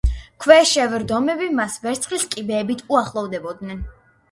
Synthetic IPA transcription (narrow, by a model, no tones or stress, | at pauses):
kʰwɛʃɛvɛɾd̪ɔmɛbimasvɛɾt̪sʰχliskʼibɛːbit̪ʰuaχlˠɔvd̪ɛbɔd̪nɛn